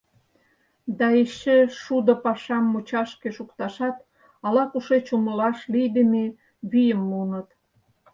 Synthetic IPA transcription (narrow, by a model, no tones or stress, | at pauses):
d̪ɑeɕə̆ʃud̪ŏpɑʃɑmːut͡ɕɑʃkeʃukt̪ɑʃɑt̪ | ɑlɑkuʃet͡ɕuməlɑʃlijd̪əme | βyjəmːunət̪